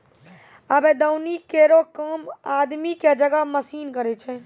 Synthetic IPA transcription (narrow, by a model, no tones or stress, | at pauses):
abẽd̪əwnikeɾokəmad̪miked͡ʒəɡaməsiːnkəɾɛt͡ʃʰɛ